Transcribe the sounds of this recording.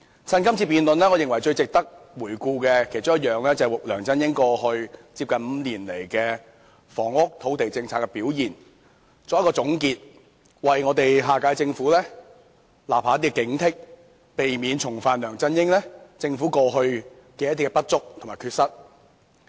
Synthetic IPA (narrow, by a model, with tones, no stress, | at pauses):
t͡sʰɐ˧˥nkɐ˥mt͡sʰiː˧piː˨nlɵ˨nlɛː˥ŋɔ˨˧jɪ˨˩ŋwɐ˨˩jt͡ʃɵ˧ɥt͡sɪ˨k̚t̪ɐ˥k̚wuː˨˩jkuː˧kɛ˧kʰjt͡ʃʊ˥ŋjt̚jœː˨˩ŋlɛː˥t͡sɐ˨wʊ˨k̚lœː˨˩ŋt͡sɐ˥njɪ˥ŋkɔː˧hɵ˧ɥt͡siː˧pkɐ˨nm̩ː˨˧liː˨˩nle˨˩jkɛː˧ | fɔː˨˩ŋʊ˥k̚t̪ʰo˨˥wt̪e˨jt͡sɪ˧ŋt͡sʰaː˧kːɛ˧piː˨˥wjiː˨˩n | t͡sɔː˧˥jɐ˥kɔː˧t͡sʊ˨˥ŋkiː˧t̚ | wɐ˨jŋɔː˨˧t̪e˨jɦaː˨˧kaː˨˥jt͡sɪ˧ŋfuː˨˥lɛː˥ | laː˨˩p̚haː˨˥t̪i˥kɛ˧kɪ˨˥ŋt̪ʰɪ˥k̚ | pe˨jmiː˨˧nt͡ʃʰʊ˨˩ŋfaː˨nlœː˨˩ŋt͡sɐ˥njɪ˥ŋlɛ˥t͡sɪ˧ŋfu˨˥kɔː˧ɦɵ˧ɥ | kɛː˧jɐ˥t̪̬ʰːi˥kɛ˧pɐ˥t̚t͡ʃʊ˥k̚t̪ʰʊ˨˩ŋmaː˨˩jkʰyː˧tsɐ˥t̚